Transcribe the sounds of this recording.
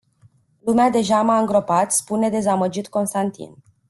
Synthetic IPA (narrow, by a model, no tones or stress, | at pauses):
lumead̪e̞ʒamaɨŋɡɾo̞pat̪spune̞d̪e̞zaməd͡ʒit̪ko̞nst̪ant̪ḭn